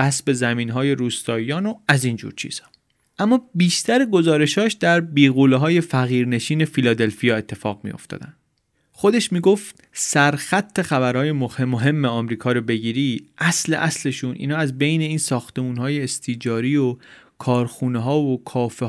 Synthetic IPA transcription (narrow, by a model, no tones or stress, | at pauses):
æsbe̞zæmiːnɦɒːje̞ɾuːst̪ɒːiɒːnoæziːnd͡ʒṵɾt͡ʃʰḭːz̥hɒ̥ | ʔæmːɒːbiːʃt̪ʰæɾeɡo̞zɒːɾe̞ʃhɒːʃd̪̥æɾbiːɣoːleɦɒːje̞fæɣiːɾne̞ʃiːne̞filɒːd̪e̞lfijɒːe̞t̪ʰːe̞fɒːɣmḭjo̞̰ft̪ɒ̰ːd̪æn | xo̞d̪e̞ʃmiːɡo̞ft̪ | sæɾxæt̪ʰːe̞xæbæɾhɒːje̞momoɦe̞mːeɒmɾiːkʰɒːɾobe̞ɟiːɾiːʔæsle̞̰ʔæsle̞ʃuːnʔḭːnhɒːæzbe̞jne̞iːnsɒːxt̪e̞muːnɦɒːje̞ːst̪ʰid͡ʒɒːɾiːo | kʰɒːɾxuːneɦɒːvokʰɒːfe